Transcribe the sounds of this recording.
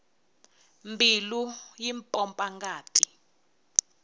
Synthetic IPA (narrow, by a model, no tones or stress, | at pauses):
mbʱilujimpʼɔmpʼaŋɡaːtʼi